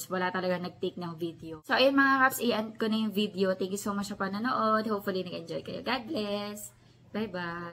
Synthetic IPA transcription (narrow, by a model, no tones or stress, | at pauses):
swɐlat̪ɐlɐɡaŋnɐɡ̚t̪ik̚nɐŋvid̪ɛosoʔɐjʊnmɐŋaɾapsʔiʔɛnd̪̚konɐjʊŋvid̪ɛot̪ɛŋkjɪsoːmat͡ʃːɐpɐnɐnoʔo̞d̪̚howp̚fʊlinɐɡɛnd͡ʒojkɐjo̰ɡad̪̚lɛs | bajba